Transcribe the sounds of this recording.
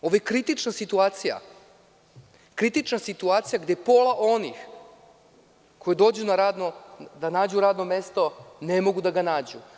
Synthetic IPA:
o̞ʋojekɾit̪it͡ʂnasit̪uaːt̪sija̰ | kɾit̪it͡ʂnasit̪uaːt̪sijaɡd̪eepo̞laʔonix | ko̞jed̪o̞ːd͡ʑunaɾaːd̪nod̪anaːd͡ʑuɾaːd̪nome̞st̪o̞ne̞mo̞ɡud̪aɡanaːd͡ʑu

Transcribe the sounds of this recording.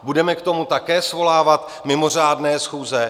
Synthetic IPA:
budɛmɛkt̪o̞mut̪akɛːsvo̞laːvat̪ | mɪmo̞r̝aːdnɛːsxuːzɛ

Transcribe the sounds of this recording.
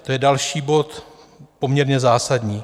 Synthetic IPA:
t̪o̞jɛdalʃiːbo̞t̪ | po̞mɲɛɾɲɛzaːsadɲiː

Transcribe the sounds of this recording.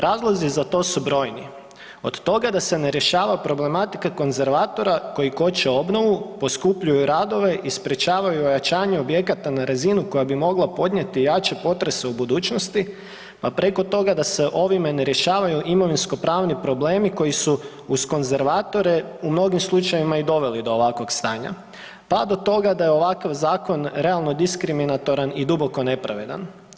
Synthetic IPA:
ɾʔaːzlˠozizat̪o̞ːsubɾo̞ːjnḭ | o̞d̪t̪o̞ɡad̪ase̞ne̞ɾje̞ʃaːʋapɾo̞ble̞mat̪i̥kako̞nze̞ɾʋaːt̪o̞ɾako̞jiko̞t͡ɕeo̞bno̞ʋupo̞skupʎujuɾaːd̪o̞ʋe̞ʔispɾe̞t͡ʃaːʋajuojat͡ʃaːɲeo̞bje̞kat̪anaɾazinuko̞jabimo̞ɡlˠapo̞d̪ɲe̞t̪ijaːt͡ʃe̞po̞t̪ɾe̞se̞ubud̪uːt͡ɕno̞st̪i | papɾe̞ko̞t̪o̞ɡad̪ase̞ʔo̞ʋimeneɾje̞ʃaːʋajuʔimo̞ʋinsko̞pɾaːʋnipɾo̞ble̞ːmiko̞jisu | usko̞nze̞ɾʋaːt̪o̞ɾe̞umno̞ɡimslˠut͡ʃajʋimaid̪o̞ʋe̞lid̪o̞ːʋakʋo̞kst̪aːɲa̰ | pad̪o̞t̪o̞ɡad̪ajeo̞ʋakaʋzaːko̞nɾealˠno̞d̪iskɾiminat̪o̞ɾanid̪ubo̞ko̞ne̞pɾaʋe̞d̪a̰n

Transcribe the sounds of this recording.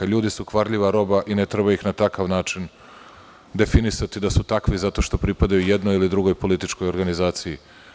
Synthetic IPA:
aʎuːd̪isukʋaɾʎiʋaɾo̞baʔinet̪ɾebajixnat̪akaʋnaːt͡ʃin | d̪e̞finisat̪id̪asut̪akʋizat̪o̞ʃt̪o̞pɾipad̪ajuje̞d̪no̞jilid̪ɾuɡo̞jpo̞lit̪it͡ʃko̞jo̞ɾɡanizaːt̪siji

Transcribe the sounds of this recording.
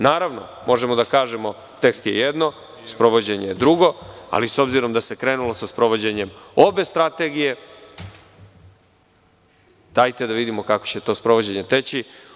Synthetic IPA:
naːɾaʋno̰mo̞ʒemod̪akaːʒemo̞ | t̪e̞kst̪je̞jed̪no̞ | spɾo̞ʋod͡ʑe̞ɲejed̪ɾuɡo̞a̰liso̞bziɾo̞md̪ase̞kɾe̞ːnulo̞saspɾo̞ʋo̞d͡ʑe̞ɲe̞mo̞be̞st̪ɾat̪e̞ɡije̞ | d̪̥aːjt̪ed̪aʋid̪imo̞kakot͡ɕet̪o̞spɾoʋo̞d͡ʑe̞ɲe̞t̪e̞t͡ɕi

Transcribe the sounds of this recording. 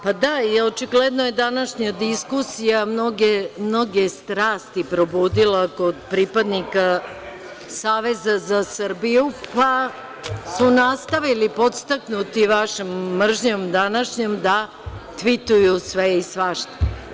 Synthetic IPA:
pad̪aio̞t͡ʃiɡled̪nojed̪anaʃɲad̪iskusijamno̞ɡemno̞ɡest̪ɾaːst̪ipɾo̞buːd̪ilako̞d̪pɾipad̪nika | saːʋe̞zazasər̩bijupa | sunast̪aʋilipo̞t̪st̪aknut̪iʋaʃemːr̩ʒɲo̞md̪anaʃɲomd̪a | t̪ʋit̪ujusʋeisʋaʃt̪o̥

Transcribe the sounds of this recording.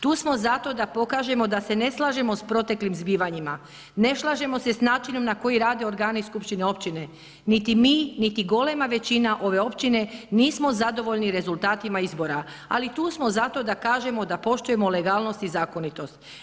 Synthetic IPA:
t̪uːsmo̞zat̪o̞d̪apo̞kaːʒe̞mo̞d̪ase̞ne̞slˠaʒe̞mo̞spɾo̞t̪e̞klimzbiːʋaɲima | ne̞ʃlˠaʒe̞mo̞se̞snaːt͡ʃino̞mnako̞iɾaːd̪e̞oɾɡaːniskupʃt̪ineo̞pt͡ɕine̞ | nit̪imiːnit̪iɡo̞le̞maʋe̞t͡ɕinaʔo̞ʋe̞o̞pt͡ʃine̞niːsmo̞zad̪o̞ʋo̞ʎniɾe̞zulˠt̪aːt̪imaizbo̞ɾa | a̰lit̪uːsmo̞zat̪o̞d̪akaːʒe̞mo̞d̪apo̞ʃt̪uje̞mole̞ɡaːlˠno̞st̪izaːko̞nit̪o̞st̪

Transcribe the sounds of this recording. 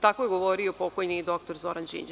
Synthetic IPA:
t̪akojeɡo̞ʋoɾiopo̞kojnid̪o̞k̚t̪o̞ɾzoɾand͡ʒḭnd͡ʒ

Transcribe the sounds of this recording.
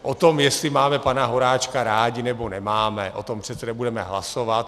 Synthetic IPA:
ʔot̪omjɛst̪lɪmaːmɛpanaɦo̞ɾaːt͡ʃkaɾaːɟɪnɛbo̞nɛmaːmɛʔo̰t̪o̞mpr̥ɛt̪sɛdɛbudɛmɛ̰ɦla̰sovat̪̚

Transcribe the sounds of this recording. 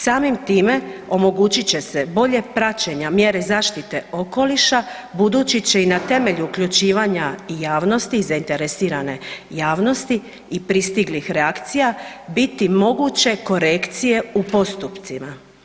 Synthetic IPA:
saːmimt̪iːme̞o̞mo̞ɡut͡ɕit͡ɕe̞se̞bo̞ʎe̞pɾat͡ɕeɲamje̞ɾe̞zaːʃt̪it̪e̞o̞ko̞liʃa | bud̪ut͡ɕit͡ɕeinat̪e̞me̞ʎuukʎut͡ɕiːʋaːɲaijaːʋno̞st̪izaint̪e̞ɾe̞siːɾane̞jaːʋno̞st̪i | ipɾist̪iɡlixɾeakt̪sijabit̪imo̞ɡut͡ɕe̞ko̞ɾekt̪sije̞upo̞st̪upt̪sima

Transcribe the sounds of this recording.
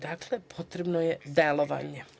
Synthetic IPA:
d̪aːklepʰo̞t̪ɾebnojed̪elˠoʋa̰ɲe

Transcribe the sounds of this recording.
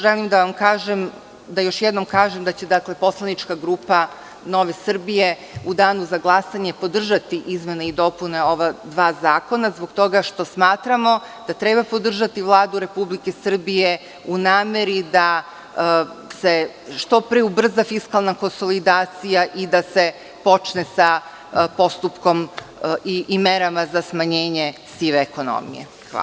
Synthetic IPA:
ʒelimd̪aʋamkaːʒem | d̪ajo̞ʃjɛd̪no̞mkaːʒemd̪at͡ɕe̞d̪akle̞po̞slˠanit͡ʃkaɡɾuːpa | no̞ʋe̞sr̩bije̞ | ud̪aːnuzaɡlˠasaɲe̞po̞d̪r̩ʒat̪iʔizme̞neid̪o̞pune̞o̞ʋad̪ʋaːzaːko̞nazboɡt̪o̞ɡaʃt̪o̞smaːt̪ɾamo̞ | d̪̥at̪ɾebapo̞d̪r̩ʒat̪iʋlˠaːd̪uɾe̞publike̞sr̩bije̞ | unaːme̞ɾid̪a | se | ʃt̪o̞pɾeubr̩zafiskalˠnako̞nso̞lid̪aːt̪sijaʔid̪ase̞ | po̞t͡ʃnesa | po̞st̪upko̞miʔimeɾamazasmaɲe̞ːɲe̞ | siʋeːko̞no̰ːmḭjḛ | a̰

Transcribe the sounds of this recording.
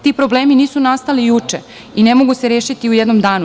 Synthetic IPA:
t̪iːpɾo̞ble̞ːminiːsunast̪alijut͡ʂḛ | ine̞mo̞ɡuseɾjeːʃit̪iujed̪no̞md̪aːnu

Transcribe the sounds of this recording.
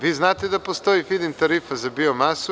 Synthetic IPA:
viznat̪ɛd̪ɐpost̪ɔifid̪ɛnt̪ɐɾifɐzɐbiomasʊ

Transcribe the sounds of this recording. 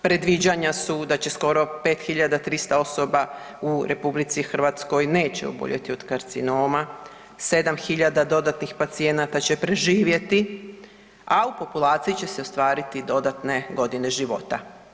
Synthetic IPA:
pɾe̞d̪ʋid͡ʑaɲasud̪at͡ɕe̞sko̞ɾo̞pe̞ːt̪xiʎad̪at̪ɾist̪ao̞so̞ba | uɾʔe̞publit̪sixr̩ʋat̪sko̞jne̞ːt͡ɕeo̰bo̰ʎʔḛt̪io̞d̪kaɾt̪sino̞ːma | se̞d̪amxiʎad̪ad̪o̞d̪at̪nixpat̪sie̞nat̪at͡ɕe̞pɾe̞ʒiːʋje̞t̪i | aupo̞pulˠaːt̪sijit͡ɕe̞seost̪ʋaːɾit̪id̪o̞d̪at̪ne̞ɡo̞d̪ine̞ʒiʋo̞̰t̪a

